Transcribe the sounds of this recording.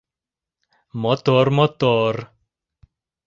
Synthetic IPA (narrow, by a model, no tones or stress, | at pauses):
mɔt̪ɔɾmɔt̪ɔɾ